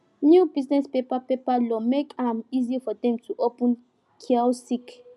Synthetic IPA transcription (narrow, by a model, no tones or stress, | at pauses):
njubiznɛspepapepalɔmekʰãmizifɔd̪ɛ̃mtʰuʔopɛ̃n | kʰiasik